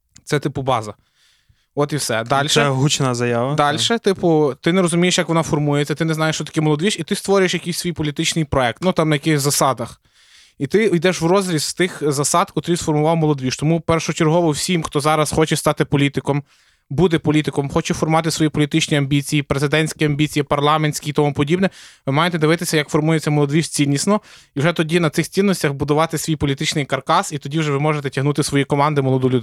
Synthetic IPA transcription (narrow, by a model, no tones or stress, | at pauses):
t̪ɛt̪ɪpʊbɑzɐ | ɔt̪iwsɛd̪lʲʃɛɛɦut͡ʃnazɐjaʋɐd̪ɑlʲʃɛt̪ɪpʊt̪ɪneɾɔzʊmʲijeʃjɐkʋɔnɑfɔrmujet͡sʲːɐt̪ɪneznɑjeʃt͡ʃɔt̪ɐ̥kʲɛmɔlˠɔd̪ʲʋʲiʃit̪ɪst̪ʋɔɾʲʊjeʃjɐkɪjsʲsʋʲijpɔlʲit̪ɪt͡ʃnɪjpɾɔɛk̚t̪nut̪ɑmnɐjɐkɪxʲzɐsɑd̪ɐx | it̪ɪjd̪ɛʃwrɔzɾʲisst̪ɪxzɐsɑd̪kɔt̪ɾʲijsfɔrmʊʋɑwmɔlˠɔd̪ʋʲiʃt̪ɔmupɛrʃɔɔt͡ʃerɦɔʋɔwsʲimxt̪ɔzɑɾɐsxɔt͡ʃɛst̪ɑt̪ɪpɔlʲit̪ɪkɔm | bud̪ɛpɔlʲit̪ɪkɔmxɔt͡ʃɛfɔrmʊʋɑt̪ɪsʋɔjipɔlʲit̪ɪt͡ʃnʲiɐmʲbʲit͡sʲijipɾezɪd̪ɛnʲsʲkʲiɐmʲbʲit͡sʲijipɐrlˠɑmenʲsʲkʲit̪ɔmupɔdʲibnɛʋɪmɑjet̪ɛd̪ɪʋɪt̪ɪsʲɐjɐkfɔrmujet͡sʲːɐmɔlˠɔd̪ʋʲiʃt͡sʲinʲːisnɔ | iwʒɛt̪ɔdʲinɐt̪sɪxt͡sʲinːɔsʲtʲɐxbʊd̪ʊʋɑt̪ɪsʲʋʲijpɔlʲit̪ɪt͡ʃnɪjkɐrkɑsit̪ɔdʲiwʒɛʋɪmɔʒet̪ɛtʲɐɦnut̪ɪsʋɔjikɔmɑnd̪ɪmɔlˠɔd̪ulʲud̪